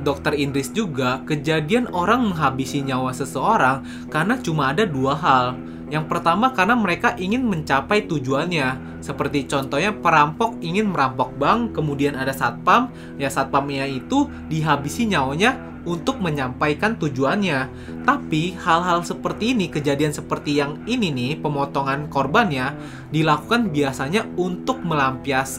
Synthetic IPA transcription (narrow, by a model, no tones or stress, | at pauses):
dɔk̚t̪ərindɾɪsd͡ʒuɡakəd͡ʒadianoɾaŋməŋɦabisiɲawasəsəoɾaŋ | karnat͡ʃumaːdaduaɦal | jaŋpərt̪amakarnaməɾekaʔiŋɪnməɲt͡ʃapajt̪ud͡ʒuanɲa | səpərt̪it͡ʃɔnt̪ɔhɲapəɾampɔk̚iŋɪnməɾampɔk̚baŋkəmudianadasat̪̚pam | jasat̪̚pamjait̪u | diɦabisiɲaoɲa | unt̪ʊk̚məɲampajkant̪ud͡ʒuanɲa | t̪apihalɦalsəpərt̪iːnikəd͡ʒadiansəpərt̪ijaŋininipəmɔt̪ɔŋankorbanɲa | dilakukanbiasaɲaunt̪ʊk̚məlampias